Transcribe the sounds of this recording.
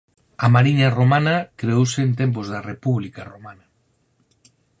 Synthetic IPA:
amaɾiɲaromanɐkɾeowseːnt̪̬emp̬ʊzðɐrepuβlikaromanɐ

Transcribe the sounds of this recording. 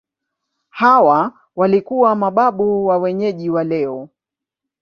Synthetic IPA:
hawa | walikuwamaɓaɓuwawɛɲɛʄiwalɛɔ

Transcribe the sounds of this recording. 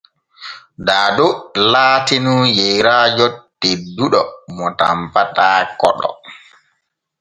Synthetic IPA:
daːdolaːtinujɛjɾajotːiduɗɔmɔta̰mpataːkɔ̰ɗɔ̰

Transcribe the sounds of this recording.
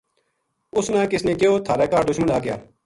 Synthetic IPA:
ʊsnãːkɪsnẽːkeoːt̪ʰaːɾɛːkaːɾd̪ʊʃmə̃ɳaːɡɪja̰ː

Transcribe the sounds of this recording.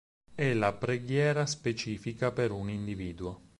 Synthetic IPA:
ɛlapɾeɡjɛːɾaspet͡ʃiːfikapeɾunind̪iviːd̪ua

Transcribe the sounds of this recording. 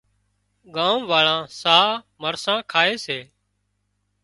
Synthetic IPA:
ɠãːmʋaːɭãːsaː | məɾsãːkʰaːeːseː

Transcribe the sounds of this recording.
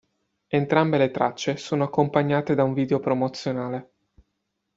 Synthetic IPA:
ent̪ɾambelet̪ɾat͡ʃːesoːnoakːompaɲːaːt̪ed̪auɱviːd̪eopɾomot̪sːjonaːle

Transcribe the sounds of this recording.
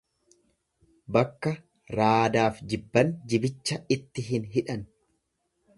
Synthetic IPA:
bɐkːɐ | ɾaːd̪aːfd͡ʒɪbːɐnd͡ʒɪbɪt͡ʃːɐɪt̪ːɪɦɪnɦɪᶑɐn

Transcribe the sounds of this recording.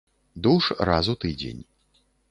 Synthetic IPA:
d̪uʂrazut̪ɨd͡zʲḛnʲ

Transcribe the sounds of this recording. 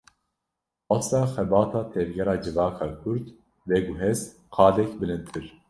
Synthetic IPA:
ɑsɑːxɛbɑːt̪ʰɑːt̪ʰɛvɡɛɾɑːd͡ʒɨvɑːkʰɑːkʰuɾt̪ | vɛɡuɦɛzt̪ | qʰɑːd̪ɛkbɨlɨnt̪ʰɨɾ

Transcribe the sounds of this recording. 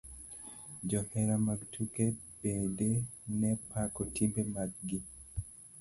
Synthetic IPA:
d͡ʒɔhɛɾamaɡtʰukeb̥edenɛpakɔtimbemaɡ̚ɡi

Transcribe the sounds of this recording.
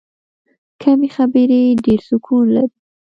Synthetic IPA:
kʰamexabəɾeɖeɾsʊkʰunla̰ɾi

